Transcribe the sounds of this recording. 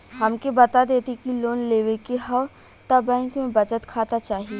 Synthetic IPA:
ɦɐmkebɐt̪ad̪eːt̪ekiloːnleːʋekeɦɐʋ | t̪ɐbɛ̃ːŋkmẽbɐt͡ʃət̪kʰaːt̪at͡ʃaːɦie

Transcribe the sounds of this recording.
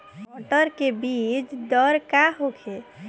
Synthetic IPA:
ɔʈəɾkebit͡ʃd̪ɔɾkaɦokʰe

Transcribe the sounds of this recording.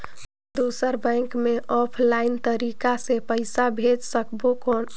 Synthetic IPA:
d̪usəɾbɛ̃ŋkmeʔɔpʰlaɪnt̪əɾikasepəɪsabʱed͡ʒsəkbokɔn

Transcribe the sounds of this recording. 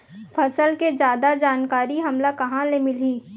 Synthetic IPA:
pʰɐsəlked͡ʒjaːd̪ad͡ʒaːnkaːɾiɦɐmlakɐɦãlemɪliː

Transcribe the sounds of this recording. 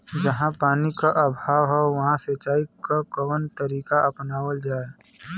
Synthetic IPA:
d͡ʒɐɦãpaːnikaʔɐbʱaːʋɦɛʋɐɦãset͡ʃaːikakɐwənt̪əɾiːkaʔɐpnaːwəld͡ʒaːe

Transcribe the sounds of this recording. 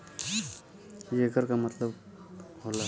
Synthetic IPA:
jeɡəɾkamət̪ləb | ɦola

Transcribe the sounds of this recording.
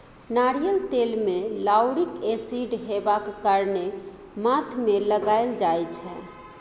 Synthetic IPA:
naɽijəlt̪elmelawɽikesiɖɦebakːaɾne | mat̪ʰmeləɡajld͡ʒajt͡ʃʰɛ

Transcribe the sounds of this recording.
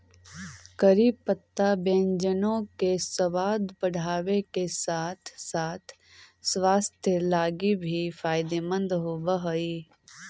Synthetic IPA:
kəɾiːpət̪ːabẽːnd͡ʒənõkesɐʋaːd̪bəɽ̤ʱaːʋekesaːt̪ʰsaːt̪ʰ | swaːst̪ʰjəlaːɡibʱifaːɪd̪eːmə̃nd̪ɦoːbəɦoiː

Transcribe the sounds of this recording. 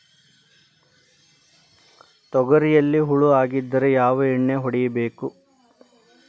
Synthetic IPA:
t̪ɔɡɐɾijɐlːiɦuɭuaːɡid̪ːɐɾejaːʋɐiɳːeɦɔɽijɐbeːku

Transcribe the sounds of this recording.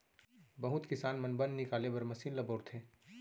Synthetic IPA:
bɐɦʊt̪kɪsaːnmɐnbɐnnɪkaːlebɐɾmɐsiːnlɐboːɾt̪ʰeː

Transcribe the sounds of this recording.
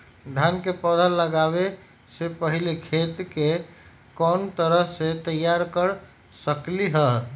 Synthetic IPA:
d̪ʱankepɔd̪ʱəlːəɡaβe | sepəɦilekʰet̪ke | kɔːnt̪əɾəɦset̪əjaɾkəɾ | səkliɦə

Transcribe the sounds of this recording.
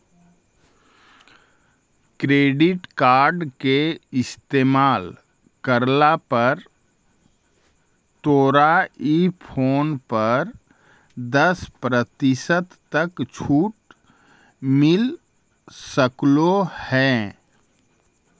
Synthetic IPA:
kɾeːɖɪʈkaːɾɖkeɪst̪eːmaːl | kəɾlapəɾ | t̪oːɾaipʰoːnpəɾ | d̪əspɾət̪ɪsət̪ːɐkt͡ʃʰuːʈ | mɪl | səklohɛ̃ː

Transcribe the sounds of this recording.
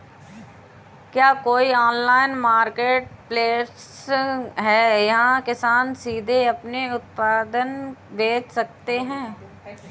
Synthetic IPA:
kjaːkoːiɔːnlaːɪnmaːɾkeːʈ̚pleːs | ɦɛːjɐɦãkɪsaːnsiːd̪ʱeɐpneʊt̪̚paːd̪ənb̪eːd͡ʒʰsɐk̚t̪eɦɛ̃ː

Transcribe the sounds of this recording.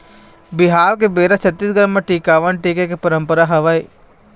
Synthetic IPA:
bɪɦaːʋkebeːɾat͡ʃʰɐt̪ːiːsɡəɾəmːɐ̃ʈiːkaːʋənʈiːkekepɐɾə̃mpəɾaɦɐʋaiː

